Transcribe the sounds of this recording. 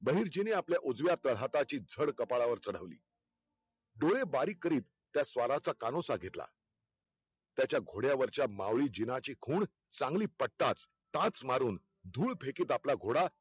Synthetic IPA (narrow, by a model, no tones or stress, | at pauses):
bəɦiːɾd͡ʑineapljaʔud͡zʋjat̪əɭ̤at̪at͡ɕiːd͡zʱəɽkəpaɭaʋəɾt͡səɽ̤əʋlḭː | ɖoɭebaɾiːkəɾiːt̪ːjasʋaɾat͡sakanosaɡʱet̪la̰ | t̪jat͡ɕjaɡʱoɽjaʋəɾt͡ɕjama̰ʋɭiːd͡ʑinat͡ɕiːkʰuːɳ | t͡sãŋɡliːpəɽt̪at͡s | t̪ãt͡smaɾuːn | d̪ʱuːɭpʰekiːt̪aplaɡʱoɽa